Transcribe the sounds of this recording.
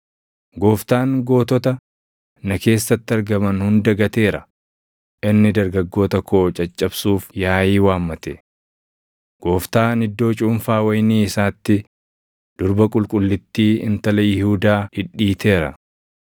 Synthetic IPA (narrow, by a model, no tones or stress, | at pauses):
ɡo̞ːft̪aːŋɡo̞ːt̪ɔt̪ɐ | nɐke̞ːsːɐt̪ːɪɐɾɡɐmɐnhʊnd̪ɐɡɐt̪e̞ːɾɐ | ʔɪnːɪd̪ɐɾɡɐɡːo̞ːt̪ɐkʰo̞ːt͡ʃʼɐt͡ʃʼːɐbsuːfjaːjiːwaːmːɐt̪ɛ | ɡ̥o̞ːft̪aːnɪd̪ːo̞ːt͡ʃʼʊmfaːwɐjniːɪsaːt̪ːɪ | d̪̥ʊɾbɐkʼʊlkʼʊlːɪt̪ːiːɪ̰nt̪ɐlɐjɪhuːd̪aːɪᶑːiːt̪ʰe̞ːɾɐ̰